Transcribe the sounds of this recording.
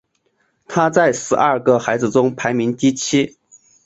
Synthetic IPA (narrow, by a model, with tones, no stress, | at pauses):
t̪ʰa˥t͡sa˥˩ɪʂɻ̩˧˥ʔɐ˞˥˩ɡə˨xa˧˥ɪd͡zɹ̩˥˧ʈ͡ʂʊ˥ŋpʰa˧˥ɪmi˧˥ŋt̪i˥t͡ɕʰi˥